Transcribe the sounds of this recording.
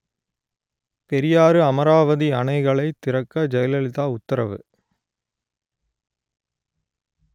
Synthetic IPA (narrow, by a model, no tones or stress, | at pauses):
pɛɾɪjaːɾɯɐmɐɾaːʋɐðiɐnɐɪɣɐɭɐɪt̪ːɪɾɐkːɐd͡ʒɐjɐlɐlɪt̪aːʊt̪ːɐɾɐ̰ʋɯ̰